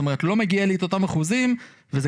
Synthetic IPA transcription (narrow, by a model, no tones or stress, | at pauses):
tome̞etlo̞meɡialieto̞tamaχuzim | veze